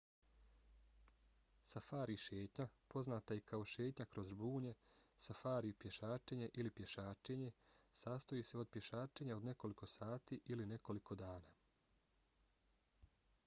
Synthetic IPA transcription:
safaːɾiʃeːt̪ɲapo̞znaːt̪aikʰao̞ʃe̞ːt̪ɲakɾo̞zbuːɲe̞safaːɾipje̞ʃaːt͡ʃeɲe̞ʔilipje̞ʃaːt͡ʃe̞ɲe̞saːst̪ojiːse̞o̞d̪̚pje̞ʃaːt͡ʃe̞ɲao̞d̪ne̞ko̞liko̞saːt̪iʔiline̞ko̞likʰo̞d̪aːnaː

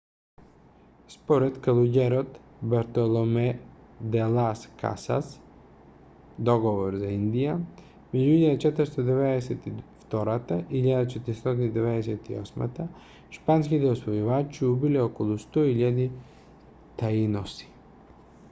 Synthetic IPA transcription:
spoɾɛt̪kalˠuɟɛɾot̪baɾt̪olˠomɛd̪ɛlˠaskʰa̰sa̰s | d̪ɔɡovoɾzaind̪ija | mɛd͡ʒuiʎad̪at͡ʃɛt̪əɾst̪od̪ɛvɛd̪ɛsɛt̪ift̪ɔɾat̪aiʎad̪at͡ʃɛt̪iɾist̪ɔt̪inid̪ɛvɛd̪ɛsɛt̪iɔsma̰t̪a | ʃpanskit̪ɛɔsvojuvat͡ʃiubilɛɔkolˠust̪ɔiʎad̪i | t̪ainosi̥

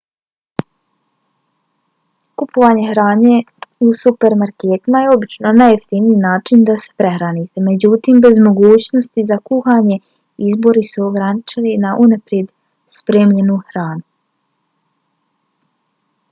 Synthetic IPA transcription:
kupoʋaːɲe̞xɾaːɲe̞ | usupe̞ɾmaɾkeːt̪imajeo̞bit͡ʃno̞najokt̪iʋniːnaːt͡ʃind̪ase̥pɾe̞xɾanit̪e̞me̞d͡ʑut̪imbe̞zmo̞ɡuːt͡ɕno̞st̪izakuxaːɲe̞ | izbo̞ɾisuoɡɾanit͡ʃilinaʔunapɾje̞d̪ | spɾeːmʎe̞nuxɾaːnu

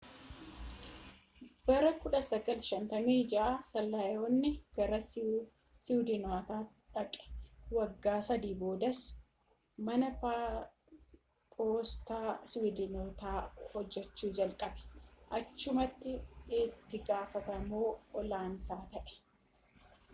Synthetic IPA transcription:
b̥ɐɾɐkʊᶑɐsɐɡɐlʃɐnt̪ɐmiːd͡ʒɐʔaːsɐlːɐjonːɪɡ̥ɐɾɐ | sɪwd̪ɪnaːt̪aː | ᶑɐkʼɛ̥wɐɡːaːsɐd̪iːbo̞ːd̪ɐs | mɐnɐpa | pʼoːst̪aːsɪwɪd̪ɪnoːt̪aːhɔd͡ʒːɛt͡ʃːuːd͡ʒɐlkʼɐbɛ̥ʔɐt͡ʃːʊmɐt̪ːɪːt̪ːɪɡaːfɐt̪ɐmoːɔlaːnsaːt̪ɐʔɛ̥

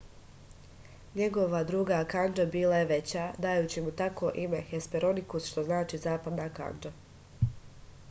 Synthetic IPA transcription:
ɲeɡo̞ʋad̪ɾuːɡakand͡ʒabiːlaje̞ʋe̞t͡ɕaːd̪ajuːt͡ɕimut̪ako̞ːʔime̞xespeɾo̞nikusʃt̪o̞znaːt͡ʃiːzaːpad̪naːka̰nd͡ʒa

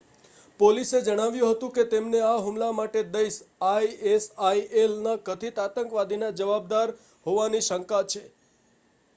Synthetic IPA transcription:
polised͡ʒəɽ̃aʋjũɦət̪ũket̪emneaɦumlamaʈed̪əjsajesaiʔelnakət̪ʰit̪at̪əŋkʋad̪ʱinad͡ʒəʋab̚d̪aɾ | ɦoʋaniʃəŋkat͡ʃʰe

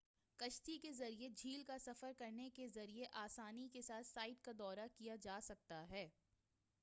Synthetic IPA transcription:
kɐʃt̪ikezɐɾied͡ʒʱiːlkasɐfəɾkɐɾnekezɐɾieʔaːsaːnikesaːt̪ʰsaːɪʈkad̪ɔːɾakijad͡ʒaːsɐk̚t̪aɦɛː

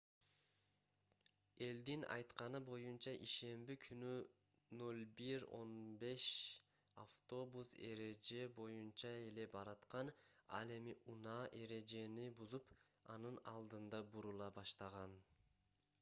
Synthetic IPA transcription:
e̞ld̪inɑ̰jt̪qɑnɯbo̞junt͡ʃɑʔiʃe̞mbikʰyny | no̞lbiɾo̞̰nbe̞ʃ | a̰ft̪o̞buse̞̰ɾe̞d͡ʒe̞bo̞junt͡ʃɑe̞le̞bɑɾɑt̪qɑnɑ̰lˠe̞miʔunɑːʔe̞ɾe̞d͡ʒe̞nibuzup | ɑ̰nɯnɑlˠd̪ɯnd̪ɑbuɾulˠɑbɑʃt̪ɑʁɑn

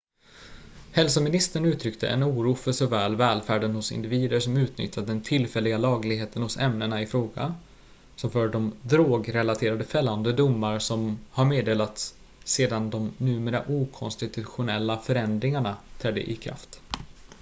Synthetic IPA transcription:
hɛlsɔmɪnɪst̪əɳʉ̟ːt̪ʰɾʏkt̪ʰə̰ʔɛ̰nuːɾuːfœʂɔvɛːlvɛːlfæːɖənhʊsɪ̰nd̪ɪviːd̪əɾʂɔmʉ̟ːt̪nʏ̰t̪ʰːad̪əd̪ɛnt̪ʰɪlfɛlːɪɡalɑːɡlɪɡheːt̪ənhʊsɛmnəɳaɪfɾoːɡa̰ | sɔmfœːɖɔmd̪ɾoːɡɾɛlat̪ʰeːɾad̪əfɛlːand̪əd̪ʊmːaɾsɔmhaɾmeːd̪eːlat̪sː | eːd̪and̪ɔmnʉ̟ːmeːɾa̰ʔuːkʰɔnst̪ɪt̪ʰɵɧʊnɛlːafœɾɛnd̪ɾɪŋaɳat̪ʰɾɛd̪ːə̰ʔɪkʰɾa̰ft̪

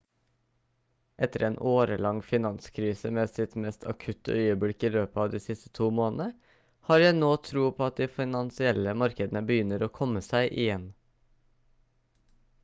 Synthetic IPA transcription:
ʔɛt̪əɾeːnʔoːɾəlɑŋfɪnɑnskʰɾiːsəmeːsɪt̪mɛst̪ʰɑ̰kʰʉt̪əœʏəbɽɪkiːløːpɑːʋd̪iːsɪst̪ə̥t̪ʰuːmoːnn̩ə | hɑːɾjæɪnoːt̪ʰɾuːpʰoːɑt̪̚d̪iːfɪnɑnsɪɛləmɑɾkəd̪ən̩əbəjʏnəɾoːkʰɔməsæɪʔɪjɛn

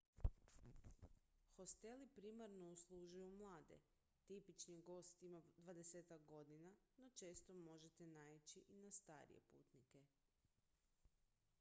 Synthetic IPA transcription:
xo̞st̪e̞lipɾimaɾno̞uslˠuʒujumlˠaːd̪e̞̰ | t̪ipit͡ʃniɡo̞st̪imad̪ʋad̪e̞seːt̪ak̚ɡo̞d̪inano̞t͡ʃe̞ːst̪omo̞ʒet̪enait͡ɕiʔinast̪aːɾḭje̞̰pṵːt̪nike̞

